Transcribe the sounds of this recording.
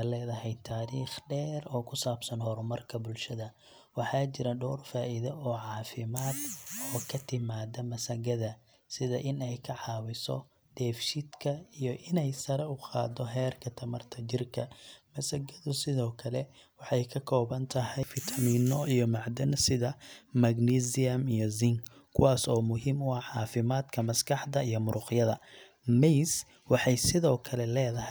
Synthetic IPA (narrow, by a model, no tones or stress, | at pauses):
lɛːðɐɦɛjt̪ʰːaːɾiːχɖɛːrɔːkʰʊsaːbsɐnhɔɾʊmɐrkʰɐbʊlʃɐðɐ | wɑħɑːt͡ʃɪɾɐɖɔːrfaːʔɪðɐɔːʕɑːfɪmaːd̪ɔːkʰɐt̪ʰɪmaːd̪ɐmɐsɐɣɐðɐ | sɪðɐʔɪnɛjkʰɐʕɑːwɪsɔ̰ | d̪̥ɛːfʃɪd̪kʰɐijɔʔɪnɛjsɐɾɛʊqɑ̰ːd̪ɔɦɛːrkʰɐt̪ʰɐmɐrt̪ʰɐt͡ʃɪrkʰɐmɐsɐɡɐðʊsɪðɔːkʰɐlɛ | wɑħɑjkʰɐkʰɔːβɐnt̪ʰɐɦɛjfɪt̪ʰɐmiːnɔijɔmɑʕd̪ɐnsɪðɐmɐɡniːsɪjɐmijɔzɪŋ | kʰʊwɑːsɔːmʊɦiːmʊɑħɑːfɪmaːd̪kʰɐmɐskʰɑħd̪ɐijɔmʊɾʊqjɐðɐ | mɛjs | wɑħɑjsɪðɔːkʰɐlɛlɛːðɐɦɛ